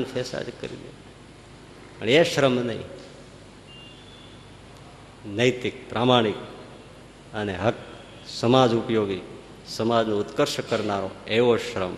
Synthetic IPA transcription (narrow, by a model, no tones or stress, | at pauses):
nfʰesa̰d͡ʒkə̰ɾḭd̪e | pə̰ɳeʃɾəmnəɦḭ̃ | nəjt̪ɪk̚pɾʔamaɽ̃ik | əneɦək | səmad͡ʒupjoːɡi | səmad͡ʒnõʊt̪kəɾʃkəɾnaɾoeʋoʃɾəm